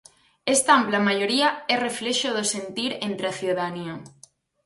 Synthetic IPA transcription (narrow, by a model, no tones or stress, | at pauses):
est̪aamplamajoɾiaɛrefleʃoðosent̪iɾent̪ɾaθjoðanio